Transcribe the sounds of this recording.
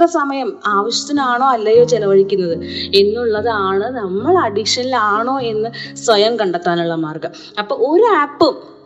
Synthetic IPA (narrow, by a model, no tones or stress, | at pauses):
rɐsɐmɐjɐmaːʋɐɕjɐ̥t̪ːinaːɳo̞ːɐlːɐjo̞ːt͡ɕelɐʋɐɻikʲːunːɐðɨe̞nːuɭːɐðɨaːɳɨnɐmːɐɭɐɖikʂɐnilaːɳo̞ːe̞nːɨsʋɐjɐmkɐɳɖɐt̪ːaːnuɭːɐmaːrkɐm | ɐpːoːɭo̞ɾuaːpːɨ